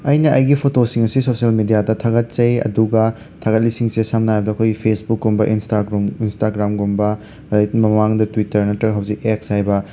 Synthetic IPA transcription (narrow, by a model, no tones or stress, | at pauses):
ɐjnɐʔɐjɡipʰotosiŋɐsisosɐlmedijadɐtʰaɡɐt̚t͡ʃɐjɐ̰duɡɐ | tʰaɡɐt̚lisiŋsesamnaajbɐdɐkʰojɡipʰesbukːumbɐʔinstaɡɾuminstaɡɾamɡumbɐ | mɐmaŋdɐtwitɐɾnɐtɾɐɡɦɐwzik̚eksajbɐ